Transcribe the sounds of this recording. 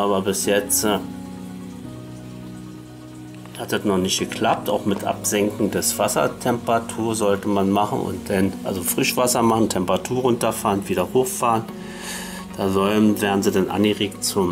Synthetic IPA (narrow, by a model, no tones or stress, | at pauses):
ʔaːβɐbɪsjɛt͡st | hat̚d̥atnɔχnɪçtɡ̥əkl̥ap̚taʊxmɪtʔa̰pz̥ɛŋkŋ̩dɛsv̥asɐ̰tʰɛmpʁatʰuːɐzɔltəmanmaχn̩ʊ̰ntd̥ɛnʔa̰lzofʁ̥ɪʃv̥asɐmaχn̩tʰɛmpəʁatʰuːɐʁʊntɐfaːʁnviːɾɐhoːxfaːʁən | d̥aːzɔlənveːʁn̩ziːdanʔa̰nɡəʁeːk̚tt͡sʊm